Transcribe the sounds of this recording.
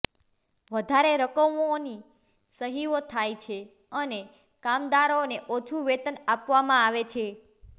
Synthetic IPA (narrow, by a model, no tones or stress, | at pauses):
ʋəd̪ʱaɾeɾəkəmoni | səɦiʋot̪ʰajt͡ʃʰe | əne | kamd̪aɾoneʔot͡ʃʰuʋet̪ənapʋamãaʋet͡ʃʰe